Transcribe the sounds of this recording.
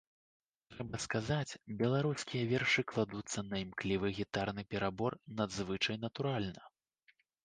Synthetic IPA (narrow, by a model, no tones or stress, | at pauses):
t̪ɾɛbɐskazat͡sʲbʲɛlˠaɾuskʲijɐvʲɛrʂɨklˠad̪ut̪sːɐnɐimklʲivɨɣʲit̪arnɨpʲɛɾabɔrnɐd̪zvɨt͡ʂɐjnɐt̪uɾalʲnɐ